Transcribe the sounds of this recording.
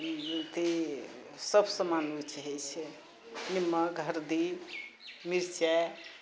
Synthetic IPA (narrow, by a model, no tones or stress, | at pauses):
t̪e | səbʱsə̃manut͡ʃʰɦɛjt͡ʃʰɛ | nimːəɡʱəɾd̪i | miɾt͡ʃɛ